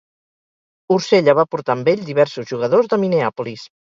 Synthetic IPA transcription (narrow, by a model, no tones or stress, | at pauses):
uɾseʎəβ̞apuɾt̪ambeʎd̪iβɛɾsuzʒuɣ̞əðozðəmineapulis